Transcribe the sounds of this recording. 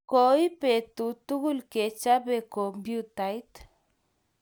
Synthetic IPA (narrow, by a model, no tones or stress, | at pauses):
koipet̪ut̪uɣulket͡ʃabekombjut̪ajt̪